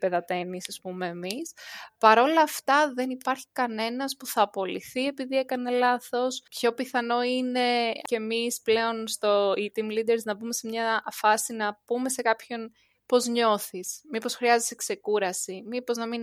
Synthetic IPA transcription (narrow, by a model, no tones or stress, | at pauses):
pe̞ðɐt̪e̞nisɐspume̞ːmispɐɾo̞lɐːft̪ɐðe̞nipɐɾçi̥kɐne̞nɐspuθɐːpo̞liθie̞piðie̞kɐne̞lɐθo̞spço̞piθɐno̞ine̞cemisple̞o̞nst̪o̞it̪imlid̪eɾznɐbume̞semɲɐfɐsinɐpume̞se̞kɐpço̞n | po̞zɲo̞θismipo̞sxɾiɐzesekse̞kuɾɐsimipo̞znɐmin